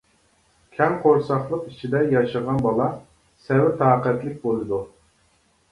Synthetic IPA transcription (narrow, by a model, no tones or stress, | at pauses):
kʲʰɛnqʰoɾsɑχlˠəqit͡ʃʰid̪ɛjɑʃəʁɑnbɑlˠɑ | sɛwɪt̪ʰɑːqɛt̪lɪk̚ʲbolˠɨd̪u